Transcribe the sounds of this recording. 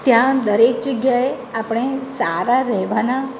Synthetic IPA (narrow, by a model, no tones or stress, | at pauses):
t̪jãd̪əɾek̚d͡ʒəɡjae | apɽ̃esaɾaɾɛɦʋana